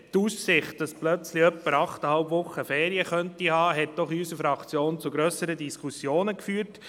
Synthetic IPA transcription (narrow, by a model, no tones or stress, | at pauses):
tuːssɪχtd̥ɑsplœt͡sliœpːəɾɑχtəhɑlbʋʊχːəfɛːɾiəχœntihɑːɦɛt̚d̥ɔχysəfɾɑkt͡sjoːnt͡suɡɾœːsəɾədiskʰusjoːnəkfyːəɾt